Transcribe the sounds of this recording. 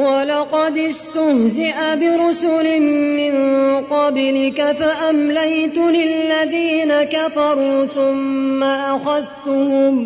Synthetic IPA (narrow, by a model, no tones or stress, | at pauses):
wɑlɑqɑd̪ɪst̪ʊhzɪʔabɪɾʊsʊlɪmːɪnqɑblɪkafaʔamlajt̪ʊlɪlːaðiːnakafɑɾˤuːθʊmːaʔaxaðt̪ʊhʊm